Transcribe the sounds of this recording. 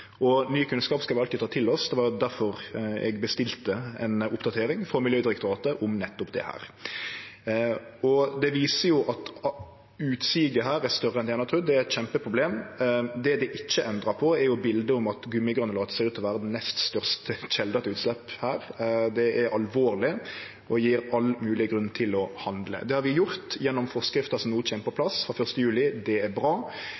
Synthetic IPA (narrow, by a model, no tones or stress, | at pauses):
ʔɔnyːkʰʉnskɑːpskɑʋɪɑlt̪ɪd̪t̪ɑːt̪ʰɪlɔsd̪ɛʋɑɾjʊd̪æɾfɔɾɛ̰ɡbəst̪ɪlt̪əɛnʊpd̪ɑt̪ʰeːɾɪŋfɾɔmɪljøːd̪ɪɾɛkt̪ʊɾɑːt̪əʔʊmnɛt̪ːʊpd̪ɛ̰hæ̰ːɾ | ɔd̪ɛʋiːsəjʊʔɑt̪ | ʉːt̪siːɡəɦæːɾæst̪œɾəɛnænɑt̪ʰʉːd̪ɛæɾɛt̪çɛmpəpʰɾʊbleːmd̪ɛd̪ɪʔɪçːəʔɛnd̪ɾəpʰɔɛɾjʊbɪld̪əʊmɑt̪ɡʉmːɪɡɑnəlɑːd̪sɛʉːt̪lɔʋæːɾəd̪ɛnːɛst̪st̪œʁst̪əc͡çɛld̪ɑt̪ʉːt̪slɛphæːɾd̪ɛɛɾɑlʋoːɾlɪ | ʔɔjiːɾɑlmʉːlɪɡɾʉnːt̪ʰɪlɔhɑnd̪lə̰d̪ɛhɑɾʋɪjʊɾt̪jɛnːɔmfɔʁskɾɪft̪əsɔmnuːt͡ʃʰeːnəpʰɔpʰlɑsfɾɑfœʁst̪əjʉːlɪd̪ɛæɾbɾɑː